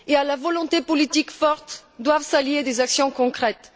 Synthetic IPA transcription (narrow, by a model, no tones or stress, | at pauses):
ealavɔlɔ̃t̪epɔlit̪ikfɔʁt̪d̪wavsaljed̪ezaksjɔ̃kɔ̃kχɛt̪